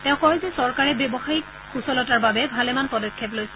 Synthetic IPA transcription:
tɛ̃ʊ̃kɔjzɛsɔɹkaɹɛbjɔbɔxajik | xusɔlɔtaɹbabɛbʱalɛmanpɔdɔkʰːep̬lojs

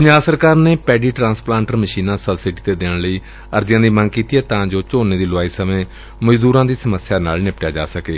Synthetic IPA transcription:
kʊɲaːsəɾkaːɾneːpɛːɖiːʈɾãːnsplãːɳʈəɾməʃiːnãːsəbsɪɖiːt̪eːd̪eːɳ̃ləiː | əɾd͡ʒɪjãːd̪iːməŋɡkiːt̪iːɛːt̪ãːd͡ʒoːt͡ʃoːneːd̪iːlʊaːiːsəmẽː | məd͡ʒd̪uːɾãːd̪iːsəməsjaːna̰ːlnɪpʈjaːd͡ʒa̰ːsəkeː

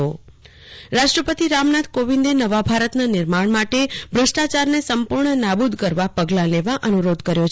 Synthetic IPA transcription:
o | ɾaʃʈɾəpət̪iɾamnat̪koʋĩnd̪enəʋabʱaɾət̪nanɪɾmaɳmaʈebʱɾəsʈat͡ʃaɾnesəmpuɾɳənabud̪ʱkəɾʋapəɡlãleʋaʔənuɾod̪kəɾjo

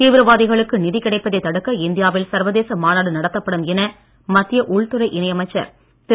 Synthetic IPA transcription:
t̪iːʋɪɾɐʋaːðɪɣɐɭɯkːɯnɪðɪkɪɽɐɪpːɐðɐɪt̪ɐɽɯkːɐɪnd̪ɪjaːʋɪlsɐɾʋɐðeːsɐmaːnaːɽɯnɐɽɐt̪ːɐpːɐɽɯmɛnɐ | mɐt̪ːɪjɐʔʊɭt̪ɯɾɐɪʔɪnɐjɐmɐɪt͡ʃːɐ̰ɾ | t̪

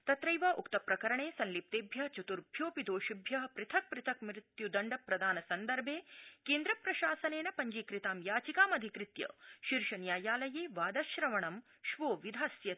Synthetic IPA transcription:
t̪ɐt̪ɾɐjʋɐʔukt̪ɐpɾɐkɐɾɐɳeːsɐnlip̚t̪eːbʱjɐt͡ʃut̪uɾbʱjoːpid̪oːʃibʱjɐɦɐpɾɪt̪ʰɐk̚pɾɪt̪ʰɐkmɾɪt̪jud̪ɐɳɖɐpɾɐd̪ʱaːnɐsɐnd̪ɐɾbʱeːkeːnd̪ɾɐpɾɐʃaːsɐneːnɐpɐɲd͡ʒiːkɾɪt̪aːmjaːt͡ʃikaːmɐd̪ʱikɾɪt̪jɐ̰ʃiɾʃɐnjaːjaːlɐjeːʋaːd̪ɐʃɾɐʋɐɳɐm | ʃʋoːʋid̪ʱaːsjɐ

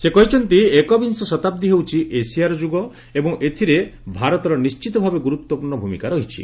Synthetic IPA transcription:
sekɔɦit͡ʃʰɔnt̪iekɔbinsɔsɔt̪ab̚d̪iɦewt͡ʃʰiʔesiaɾɔd͡ʒuɡɔ | ebɔŋʔet̪ʰiɾebʱaɾɔt̪ɔɾɔnist͡ʃit̪ɔbʱabeɡuɾut̪wɔpuɾɳɔbʱumikaɾɔɦit͡ʃʰḭ

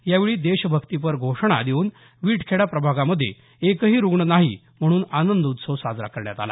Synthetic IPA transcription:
jaʋeɭiːd̪eɕbʱəkt̪ip̬əɾɡʱoʂɳ̃a̰d̪euːn | ʋiːʈkʰeɽapɾəbʱaɡaməd̪ʱje | ekəɦiːɾuɡɳənaɦi | m̤əɽ̃uːnanənd̪ut̪səsad͡zɾa̰kʰəɾɳjat̪a̰la̰

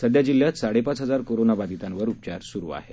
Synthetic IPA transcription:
səd̪jad͡ʑilːjat̪saɽepat͡sɦəd͡zaɾkoɾonabad̪it̪ãnʋəɾupt͡ɕaɾsuɾuːa̰ɦḛ

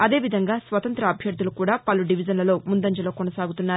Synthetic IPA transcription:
ɐd̪e̞ːʋid̪ʱɐŋɡaːsʋɐt̪ɐnt̪ɾɐːbʱjɐɾd̪ʱulukuːɽaːpɐlːuɖiʋid͡ʒɐnlɐlo̞ːmund̪ɐɲd͡ʒɐloːkonɐsaːɡut̪unːaːɾu

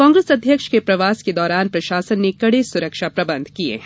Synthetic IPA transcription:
kɔ̃ːŋɡɾeːsɐd̪ʱjəkʃkepɾɐʋaːsked̪ɔːɾaːnpɾɐʃaːsənːekɐɽesʊɾəkʃapɾɐbə̃nd̪ʱkiḛ

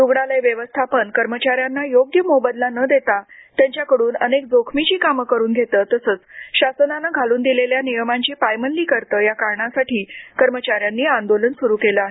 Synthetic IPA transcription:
d̪uɡɽalajʋjəʋəst̪ʰapəɳkəɾmət͡ɕaɾjanːajoɡjəmobəd̪lanəd̪et̪at̪jaɲt͡ɕjakəɽuːnə̰nekd͡zokʰmit͡ɕiːkaməkəɾuːnɡʱet̪əːt̪əsəːt͡sɕasənanəɡʱaluːnd̪ileljanijəmaɲt͡ɕiːpajmənliːkəɾt̪əːjakaɾɳasaʈʰiːkəɾmət͡ɕaɾjanːiːand̪olənsuɾuːkeləaɦe

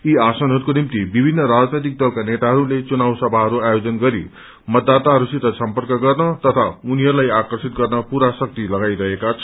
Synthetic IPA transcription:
iasʌnɦʌɾukonimt̪ibibʱinːʌɾad͡znʌjt̪ik̚d̪ʌlkanet̪aɦʌɾulet͡sunawsʌbʱaɦʌɾuajod͡zʌnɡʌɾḭ | mʌd̪ːat̪aɦʌɾusit̪ʌsʌmpʌrkʌɡʌrnʌt̪ʌt̪ʰauniɦʌɾulajakʌrsit̪̚ɡʌrnʌpuɾasʌk̚t̪ilʌɡajɾʌɦekat͡sʰʌ

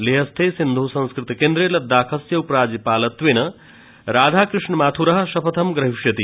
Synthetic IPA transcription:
leɦɐst̪ʰeːsind̪ʱusɐ̃nskɾɪt̪ikend̪ɾeːlɐd̪aːkʰɐsjɐupɾaːd͡ʒɐpaːlɐt̪ʋeːnɐ | ɾaːd̪ʱaːkɾɨʂɳɐmaːt̪ʰuɾɐɦɐ̆ʃɐpʰɐt̪ʰɐmɡɾɐɦiʂjɐt̪i

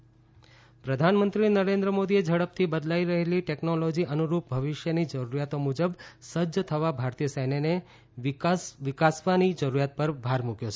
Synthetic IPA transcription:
pɾəd̪ʱanmə̃nt̪ɾinəɾend̪ɾəmod̪ied͡ʒəɽəp̚t̪ʰibəd̪laiɾəɦeliʈeknolod͡ʒiʔənuɾup̚bʱəʋɪʃjənid͡ʒəɾuɾjat̪omud͡ʒəbsəd͡ʒət̪ʰəʋabʱaɾt̪ijəsəjnene | sʋɪkasʋanid͡ʒəɾuɾjat̪̚pəɾbʱaɾmukjot͡ʃʰe

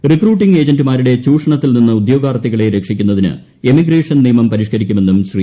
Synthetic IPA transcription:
rikruːʈːiŋɡe̞ːd͡ʑɐndumaːɾuɽe̞t͡ɕuːʂɐɳɐt̪ːilninːɨud̪jo̞ːɡaːrt̪ːiɣɐɭe̞ɾekʂikʲːunːɐðinɨ̰ | emiɡɾeːʂɐnnijmɐmpɐɾiʂkɐɾikʲːume̞nːumɕri

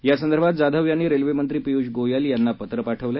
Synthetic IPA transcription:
jasənd̪əɾbʱat̪̚d͡zad̪ʱəʋjaniːɾelʋemənt̪ɾiːpijuɕɡojaljanːapət̪ɾəpaʈʰəʋla

